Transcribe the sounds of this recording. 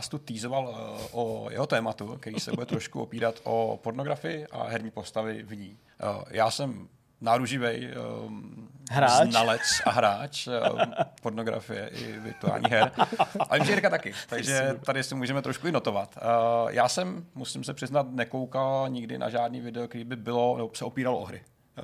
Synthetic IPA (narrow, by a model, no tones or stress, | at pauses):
st̪ut̪iːzovalʔojɛ̰ɦot̪ɛːmat̪uk̪ɛɾisɛbudɛt̪ɾoʃkuʔopiːɾat̪ʔo̰poɾnoɡɾafɪjɪʔa̰ɦɛɾɲiːpo̞st̪avɪvɲiː | jaːsɛm | naɾuʒɪvɛj | ɦɾazːnalɛt͡sa̰ɦɾaːt͡ʃ | po̞ɾnoɡɾa̰fɪjɛ̰ʔɪ̰vɪ̰ɾt̪ua̰ːlɲ̰ːɦɛɾavɪmʒɛɛɾkat̪akɪt̪aɡʒɛt̪adɪsɪmuːʒɛmɛt̪ɾoʃkuɪno̞t̪o̞vat̪jʔaːsɛmmusɪmsɛpr̝̥ɪznat̪nɛkowkalɲɪɡdɪ̰nʔa̰ʒaːdniːvɪdɛok̚t̪ɛɾiːbɪbɪlo̞nɛbosɛopiːɾaloʔoɦɾɪ̰